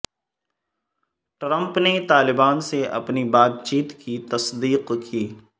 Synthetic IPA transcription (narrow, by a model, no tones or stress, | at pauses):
ʈɾə̃mpnet̪aːlɪbaːnseɐ̰pnibaːt̪̚t͡ʃiːt̪kit̪ɐsd̪iːqkʰiː